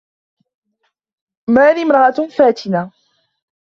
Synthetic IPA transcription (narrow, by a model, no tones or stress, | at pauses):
maːðiːmɾˤɑʔafaːt̪ɪna